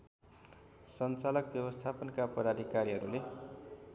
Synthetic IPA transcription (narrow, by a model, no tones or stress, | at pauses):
sʌnt͡salʌkbjʌbʌst̪ʰapʌnkapʌd̪ad̪ʱikaɾiɦʌɾule